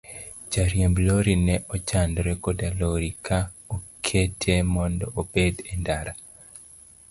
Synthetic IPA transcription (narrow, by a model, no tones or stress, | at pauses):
d͡ʒaɾjembloɾinɛʔɔt͡ʃandɾɛkodaloɾikʰaokʰetʰemɔndɔobedendaɾa